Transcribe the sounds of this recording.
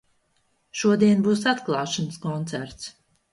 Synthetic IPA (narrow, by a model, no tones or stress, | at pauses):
ʃuɔd̪iɛnbuːsat̪klˠɑːʃɔnskɔnt̪sæɾt̪s